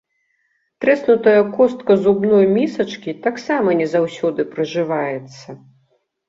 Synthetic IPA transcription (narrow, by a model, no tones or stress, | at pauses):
t̪ɾɛsnut̪ɐjɐkɔst̪̚kɐzubnɔjmʲisɐt͡ʂkʲit̪aksamɐnʲɛzawsʲɔd̪ɨpɾɐʐɨvajɛt̪sːɐ